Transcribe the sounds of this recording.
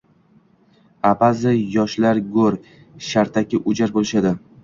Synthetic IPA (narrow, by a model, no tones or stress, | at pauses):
apazɪjɒʃlaɾɡoɾ | ʃaɾt̪ʰakʲɪʔʊd͡ʒaɾbolɪʃad̪ɪ